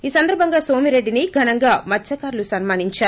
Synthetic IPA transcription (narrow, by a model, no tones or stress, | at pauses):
iːsɐnd̪ɐɾbʱɐŋɡaːso̞ːmiɾe̞ɖːiniɡʱɐnɐŋɡaːmɐtːt͡ʃɐkaːɾlusɐnmaːniɲt͡ʃaːɾu